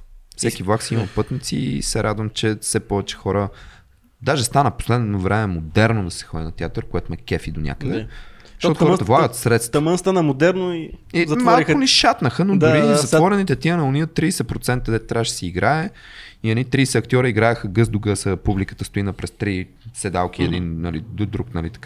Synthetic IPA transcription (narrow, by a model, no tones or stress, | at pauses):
fsɛk̟ivlˠaksiimɐpɤt̪nit̪sisɛɾʔad̪vəmt͡ʃɛfsɛpɔvɛt͡ʃɛ̥xɔɾə | d̪aʒɛst̪anəpo̥slɛd̪novɾɛmɛmod̪ɛɾnod̪ɐsɛ̥xɔd̪ʲinɐt̪ʲɛat̪əɾkojɛt̪ʊmɛkɛfid̪onʲa̰kəd̪ɛ̥ | ʃt̪ɔt̪oxɔɾt̪əvlˠaɡət̪sɾɛt̪st̪t̪ɐmənst̪anəmod̪ɛɾnoiizɐt̪mmaliʊnɛʃat̪nəxənod̪ʊɾizɐt̪vɔɾɛnit̪ɛt̪iənɐʊniət̪ːɾiːsɛpɾot̪sɛnt̪əd̪ɛt̪̚t̪ːɾʲavəʃsɛiɡɾʔaɛ | iɐnit̪ɾisɛɐkt̪ʲjɔɾəiɡɾaɛxəɡɤzd̪ʊɡəsəpublikə̥t̪əst̪ʊinəpɾɛst̪ɾi | sɛd̪alˠk̟iɛd̪innɐlid̪d̪ɾuknɐlit̪ɐ̥ka